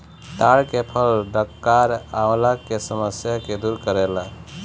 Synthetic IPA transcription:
t̪aɭkepʰəlɖəkːaɾawlakesəməsjaked̪uːɾkəɾela

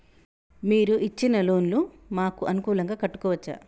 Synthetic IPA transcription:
miːɾuʔit͡ʃːinɐlo̞ːnlu | maːkuʔɐnukuːlɐŋɡaːkɐʈːu̥kɔːʋɐt͡ʃːa̰

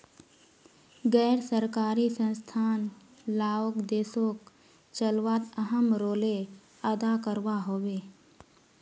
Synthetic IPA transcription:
ɡɛːɾsəɾkaːɾisə̃nst̪ʰaːn | laːokd̪eːsok | t͡ʃəlʋaːt̪əɦəmɾoːle | əd̪akəɾʋaɦoːweː

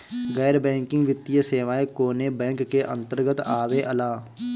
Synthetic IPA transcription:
ɣɛːɾbɛ̃ːŋkɪ̃ŋɡʋɪt̪ːijəseːʋaːekoːnebɛ̃ːŋkːeʔə̰̃nt̪əɾɡət̪aːʋeʔəlaː

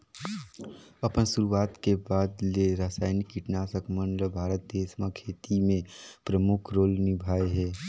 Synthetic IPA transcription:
ɐpənsʊɾuaːt̪kebaːd̪leɾaːsaːɪnikːɪʈnaːsəkməɳɖləbʱaːɾət̪̚d̪eːsmakʰeːt̪imẽpɾəmʊkʰɾoːlnɪbʱaːeɦɛː

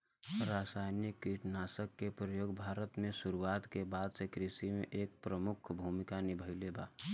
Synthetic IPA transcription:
ɾaːsaːɪnikːiʈnaːsəkːepɾəjoːɡbʱaːɾət̪mẽsʊɾuaːt̪kebaːd̪sekɾisimẽʔeːk̚pɾəmʊkʰbʱuːmɪkanibʱəɪleba̰ː

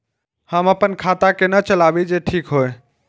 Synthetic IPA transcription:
həməpənkʰat̪akenət͡ʃəlabid͡ʒeʈʰiːkɦoj

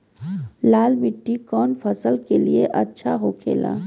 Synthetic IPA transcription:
laːlmɪʈːikɔːnfɐsəlkelieʔɐtːʃʰaɦokʰḛːla̰ː

